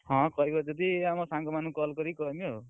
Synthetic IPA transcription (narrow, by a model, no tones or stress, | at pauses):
ɦʌ̃kʌjkʌd͡zʌt̪iamʌsãŋkʌmanukʌlkʌɾikʌniɦo